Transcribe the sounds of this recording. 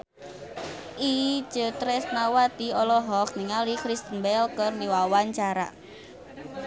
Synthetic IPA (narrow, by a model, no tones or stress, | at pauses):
ʔi̥d͡ʒ̥ə̤t̪ɾɛsnawat̪iɔlɔɦɔkniŋalikɾist̪əmbɛlkərniwawaɲt͡ʃaɾa̰